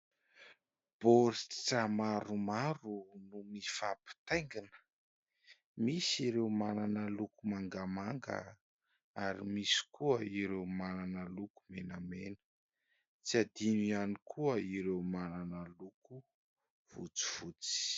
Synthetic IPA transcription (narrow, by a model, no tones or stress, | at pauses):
b̥oɾi̥t͡samaɾumaɾunumifapi̥t̪ajŋɡinə̥ | misiɾewmananəlukumaŋɡamaŋɡə̰ | aɾḭmisi̥kuəiɾewmananəluku̥menamenə̥ | t͡siad̪inianikʰuəiɾewmananəluku | v̥ut͡si̥v̥ut͡si̥